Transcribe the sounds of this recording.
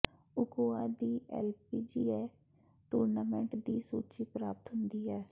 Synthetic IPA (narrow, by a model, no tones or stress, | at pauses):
ʊɡoːaːd̪iːʔɛ̰ːlpiːd͡ʒiːɛː | ʈuːɾnaːmɛ̃ɳʈd̪iːsuːt͡ʃiːpɾaːpət̪ɦʊnd̪iːɦɛː